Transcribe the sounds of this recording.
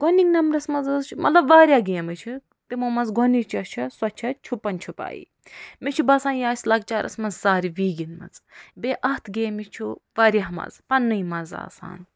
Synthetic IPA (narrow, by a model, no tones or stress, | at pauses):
ɡ̥oniŋnɐmɾɐsmɐzɐzt͡ʃʰumʔɐ̰t̪lɐbʋaːɾʲjaːɡeːmɨt͡ʃʰu | t̪imomɐzɡonit͡ʃʰɐt͡ʃʰɐswɐt͡ʃʰɐt͡ʃʰupːɐnt͡ʃʰupa̰ːjḭ | met͡ʃʰubɐsaːnjaːsʲlɐɡ̚t͡ʃaːɾʔɐ̰smɐzːaːɾiʋiːɡinmɐ̰t͡sbeʔɐt̪ʰɡeːmit͡ʃʰuʋaːɾjamɐ̰zpɐnːɨjmɐza̰ːsa̰ːn